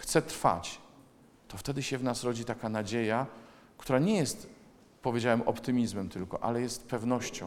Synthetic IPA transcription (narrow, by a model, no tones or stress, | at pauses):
xt̪sɛt̪ɾfa̰t͡ɕ | t̪ɔft̪ɛd̪ɘɕɛvnasɾɔd͡ʑit̪akanad͡ʑeja | kt̪uɾaɲɛjɛst̪ | pɔvʲed͡ʑawɛmʔɔpt̪ɘmʲizmɛmt̪ɘlkɔʔa̰lɛjɛst̪pɛvnɔɕt͡ɕɔ̰̃w